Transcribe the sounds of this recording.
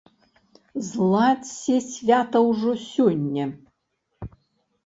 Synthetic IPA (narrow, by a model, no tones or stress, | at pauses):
zlˠatʲsʲesʲvʲat̪ɐwʐosʲonʲːɐ